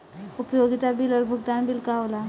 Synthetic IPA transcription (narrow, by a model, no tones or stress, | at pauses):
upjoɡit̪abiləɾbʱuɡd̪anbilkaʋla